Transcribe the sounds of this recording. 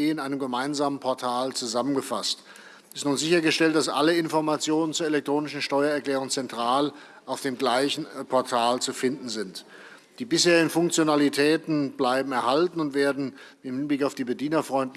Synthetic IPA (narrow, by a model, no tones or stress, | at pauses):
eːɪnʔaɪnəmɡəmaɪnzaːmənpʰɔɐtʰaːlt͡suzamənɡəfa̰st | ɪstnuːnzɪçɐɡəʃtɛlt̚d̥asʔa̰ləɪnfɔɐmat͡sjoːnənt͡suːɐelɛktʁ̥oːnɪʃn̩ʃtɔʏɐɛɐklɛːʁ̞ʊŋt͡sɛntʁ̥aːl | ʔaʊfd̥eːmɡlaɪçn̩pʰɔɐtʰaːlt͡sufɪndn̩zɪnt | d̥iːbɪsheːʁɪɡn̩fʊŋk̚t͡sjonalitʰɛːtn̩blaɪbm̩ɛɐhaltn̩ʊntv̥eːɐdn̩ | ɪnhɪnblɪkaʊfd̥iːbədiːnɐfʁ̥ɔʏntl